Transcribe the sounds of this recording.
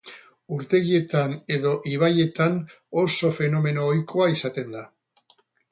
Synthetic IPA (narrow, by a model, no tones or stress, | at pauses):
uɾt̪e̞ɣie̞t̪ane̞ðo̞ʔiβ̞aje̞t̪an | o̞so̞fe̞no̞me̞no̞ːjkʰo̞aisat̪e̞nd̪a